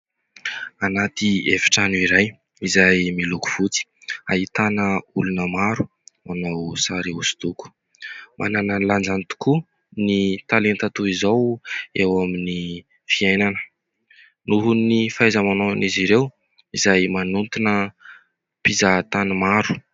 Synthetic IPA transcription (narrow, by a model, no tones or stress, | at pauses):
anat̪iefi̥ʈ͡ʂanuiɾaj | izajmiluku̥v̥ut͡si̥a̰ɦit̪anəulunəmaɾu̥ | manawsaɾiusi̥t̪uku̥ | mʔa̰nananland͡zanit̪u̥ku | nit̪alent̪at̪uizawewamini | fiajnanə̥ | nuɦunifajzəmanoniziɾew | izajmanunt̪inə | pizat̪animaɾu̥